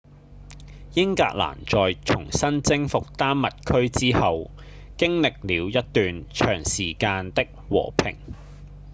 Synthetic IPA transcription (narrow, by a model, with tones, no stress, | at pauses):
jɪ˥ŋka̰ː˧k̚la̰ː˨˩nt͡ʃɔː˨jt͡ʃʰʊ˨˩ŋsɐ˥nt͡sɪ˥ŋfʊ˨k̚t̪aː˥mːɐ˨t̚kʰɵ˥ɥt͡siː˥hɐ˨w | kɪ˥ŋlɪ˨k̚liː˨˧wjɐ˥t̚t̪yː˨nt͡ʃʰœː˨˩ŋsiː˨˩kaː˧nt̪ɪ˥k̚wɔ̰ː˨˩pʰɪ̰˨˩ŋ